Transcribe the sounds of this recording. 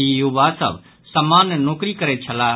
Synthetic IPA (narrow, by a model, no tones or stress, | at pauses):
ijoʋaːsə̰ʋ | sɐmaːnnoːkɾikəɾet͡ʃʰɐlaː